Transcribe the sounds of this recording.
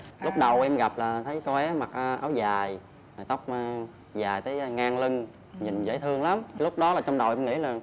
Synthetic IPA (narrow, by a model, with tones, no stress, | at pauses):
lʊ˦˥k͡p̚ɗə˨˩wʔɛ˧mɣa˨˩p̚laː˨˩t̪ʰə˨˦jkɔ˧ʔɛ˨˦ma˨˩k̚ʔːʔa̰ː˨˦wzaː˨˩j | jt̪ə˦˥wk͡p̚ː | zaː˨˩jt̪əː˨˦jŋaː˧ŋli˧ŋ | ɲi˨˩nzə̰˧˥jt̪ʰɨ˧əŋla˨˦m˧lʊ˦˥k͡p̚ɗɔ˨˦laː˨˩t͡ɕɔ˧ŋ͡mɗə˨˩wʔɛ˧mŋḭ˧˥laː˨˩